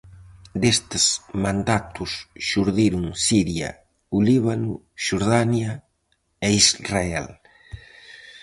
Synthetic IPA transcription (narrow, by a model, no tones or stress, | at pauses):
d̪est̪ɪsmãnd̪at̪ʊsʃuɾðiɾuŋsiɾjɐ̰ | uliβ̞anṵ | ʃoɾðanja | eizraḛl